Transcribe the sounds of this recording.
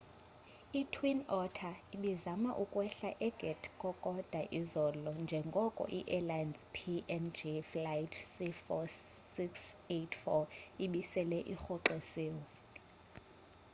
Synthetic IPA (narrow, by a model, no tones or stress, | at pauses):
itʰwinɔtʰaiɓizamaʔukʼwɛɬaʔɛɡ̥ʱɛtʰkʼɔkʼɔd̥ʱaʔizɔlɔnd͡ʒʱɛŋɡʱɔkʼɔ̰ʔiʔɛlajnzpʰiɛnd͡ʒiflajdsifɔsiksetʰfɔiɓisɛlɛʔixɔǀeseːwɛ